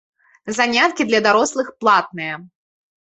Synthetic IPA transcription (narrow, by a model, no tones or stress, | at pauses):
zanʲat̪kʲid̪lʲɐd̪aɾɔslˠɨxplˠat̪̚nɨjɐ